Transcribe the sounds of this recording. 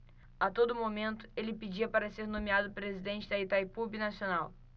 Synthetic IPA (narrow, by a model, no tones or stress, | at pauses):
at̪od̪ʊmomẽnt̪ʊ̥elɪped͡ʒiɐpaɾɐseɾnõmiad̪ʊpɾezid̪ẽnt͡ʃɪd̪ɐit̪ajpubɪnasionaw